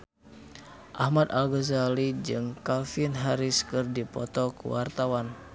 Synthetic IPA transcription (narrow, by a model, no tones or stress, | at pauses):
ʔahmat̪alɡəzalid͡ʒɨŋkalfinɦaɾiskɨrdipɔ̰t̪ɔkə̰wart̪awan